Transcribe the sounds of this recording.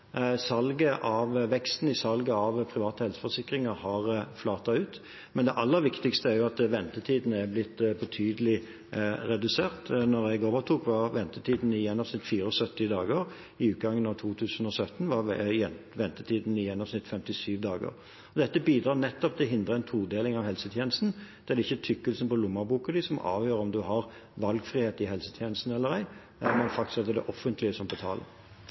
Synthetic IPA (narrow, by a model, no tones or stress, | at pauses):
sɑlɡəʔɑʋʋɛkst̪n̩ɪsɑlɡəɑʋpʰɾɪʋɑːt̪əhɛlsə̥fɔsɪkɾɪŋəɾhɑʁflɑːt̪ɑʉːt̪ | mɛnd̪ɛʔɑlːəɾʋɪkt̪ɪkst̪əæɾjʊɑt̪ʋɛnt̪ət̪ʰiːd̪n̩ɛɾblɪt̪ːbɛt̪ʰyːd̪əlɪ | ɾɛd̪ʉseːʁt̪nɔɾɛɡoːʋəʁt̪ʰuːkʋɑʁʋɛnt̪ət̪ʰiːd̪n̩ɪjɛnːɑʋsnɪt̪ːfiːɾəɔsœt̪ːɪd̪ɑːɡəɾ | ɪʉːt̪̚ɡɑŋːənɑʋt̪ʰuːt̪ʰʉːsn̩ɔsœt̪ːnʋɑɛʋɛnt̪ət̪ʰiːd̪n̩ɪjɛnːɑʋsnɪt̪fɛmt̪ɪsyːʋd̪ɑːɡə̰ɾ | ɔd̪ɛt̪ːəbiːd̪ɾɑːnɛt̪ːɔpt̪ʰɪlɦɪnd̪ʁəɛnt̪ʰuːd̪eːlɪŋɑʋhɛlsət̪ʰjɛːnəst̪n̩d̪̥ɛæd̪ɪçːət̪ʰʏkːəlsnpɔlʊmːɑbuːkəd̪ɪsɔmɑ̰ːʋjøːɾəɔmd̪ʉhɑɾ | ʋɑlɡfʁiːheːt̪ɪhɛlsə̥t̪ʰjɛnəst̪n̩ɛlːəɾæɪ | mɛnfɑk̚t̪ɪskɑd̪əd̪ɛʔɔfːənt̪ʰlɪəsɔmpɔt̪ʰɑ̰ːl